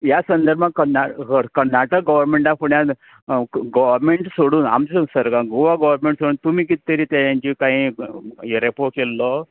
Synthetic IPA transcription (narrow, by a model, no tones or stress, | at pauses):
jasɐnd̪əɾbʱãkɐnakɐnːaʈək̚ɡɐʋəɾmeɳʈapuɳja | ɡɔʋəɾmeɳʈsoɽuːna̰md͡ʑsəɾkãɡuʋaɡɐʋəɾmẽɳʈsoɽuːnt̪umikit̪ːəɾit̪ajãnd͡ʒikaɦĩ | eɾepokelːo